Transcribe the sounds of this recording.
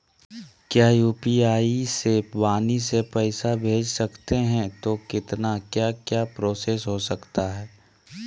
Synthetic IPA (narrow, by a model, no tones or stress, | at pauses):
kjaːjuːpiaːisewaːnisepɛɪsabʱeːd͡ʒsɐkt̪eɦɛ̃t̪okɪt̪nakjaːkjaːpɾoːseːsɦosɐkt̪aɦɛː